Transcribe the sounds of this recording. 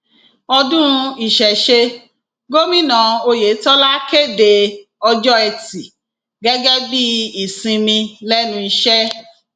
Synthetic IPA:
ɔ˧dũ˦˧i˨ʃɛ˨ʃe˧ | ɡo˦mĩ˦nã˨o˧je˨˦tɔ˦la˦ke˦˨de˨ | ɔ˧d͡ʒɔ˦ɛ˧ti˨ | ɡɛ˦ɡɛ˦bi˦i˦˨sĩ˧mĩ˧lɛ˦nũ˧i˧ʃɛ˦

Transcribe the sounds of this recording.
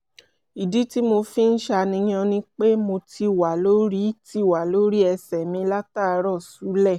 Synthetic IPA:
i˨di˨˦ti˦mo˧fi˦n̩˦ʃa˧nĩ˧˦j̃ã˧nĩ˦k͡pe˦mo˧ti˧˦˨wa˨lo˦ɾi˦ti˦˨wa˨lo˦ɾi˦ɛ˧sɛ˨mĩ˧˦la˦ta˦˨˧ɾɔ˦˨su˨˦lɛ˦˨

